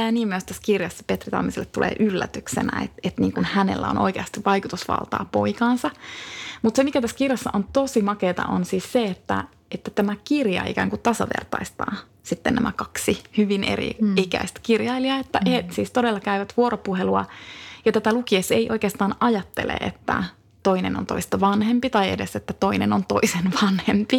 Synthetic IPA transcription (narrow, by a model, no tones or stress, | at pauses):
æːniːmmyøst̪æskirjɑsːɑ̥pet̪rit̪ɑ̰mːiselːet̪ːulḛːʔylːæ̰t̪yksḛnæ̰ḛt̪et̪niːŋkunhænḛlːæ̰onʔo̰ikeɑst̪iʋʋɑikut̪usʋɑ̰lt̪ɑ̰ːpoikɑːnsɑmut̪semikæt̪æsːkirjɑsːɑʔont̪osimɑkeːt̪ɑ̰ʔo̰nsiːsseet̪ːæ̰ | et̪ːæt̪æmækirjɑ̰ḭkæ̰ːŋkut̪ɑsɑʋḛrt̪ɑist̪ɑ̰ː | sit̪ːenæ̰mækɑksihyʋinʔḛrḭikæ̰ist̪kirjɑiliɑet̪ːæhesiːst̪odelːɑkæyʋæt̪ʋuoɾopuheluɑ̰jɑt̪æt̪ælukieseiʔo̞ikeːst̪ɑːnɑjɑt̪ːḛlḛḛt̪ːæ̰ | t̪oineno̰nt̪o̞̰ist̪ɑʋɑnhempit̪ɑiḛdeset̪ːæt̪oinenont̪oisenʋɑnhempi